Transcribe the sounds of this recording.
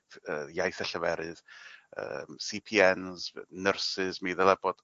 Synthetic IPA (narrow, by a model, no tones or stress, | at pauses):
əːjajθɛɬəvɛɾɨð̥ə̰msipʰiɛnznərsɨzmiːðəlˠɛbɔd̥